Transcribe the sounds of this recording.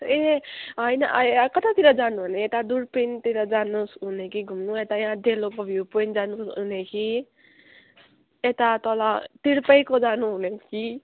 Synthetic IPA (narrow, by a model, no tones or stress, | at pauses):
eɦʌjnʌ̰ʔkʌt̪at̪iɾʌd͡zanubʱʌneet̪ad̪uɾpint̪iɾʌd͡zanusɦunekiɡʱumnuet̪ajãd̪jelokobʱjupojnd͡zanusɦunekʰi | et̪at̪ʌlat̪iɾpʌjkod͡zanuɦuneki